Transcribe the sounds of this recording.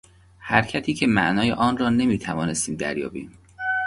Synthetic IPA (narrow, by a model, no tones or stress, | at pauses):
hæɾcʰæt̪ʰiːcʰemæ̰ʔnɒːjḛʔɒːnrɒːne̞miːt̪ʰævɒːne̞st̪iːmd̪æ̰ɾjɒ̰ːbiːm